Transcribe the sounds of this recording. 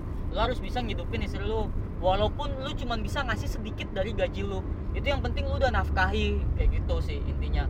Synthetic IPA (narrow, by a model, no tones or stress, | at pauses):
lʊɦaɾʊsbisaŋəidupɪnist̪ɾilʊ | walaupʊnlʊt͡ʃumanbisaŋasɪhsədikɪt̪̚daɾiɡad͡ʒilʊit̪ujaŋpənt̪ɪŋludanafkaɦikajɡit̪usɪhḭnt̪iɲa